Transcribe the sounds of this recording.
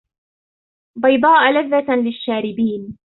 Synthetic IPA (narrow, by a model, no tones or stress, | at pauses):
bɑjd̪ˤɑːʔlaðːat̪lɪʃːaːɾɪbiːn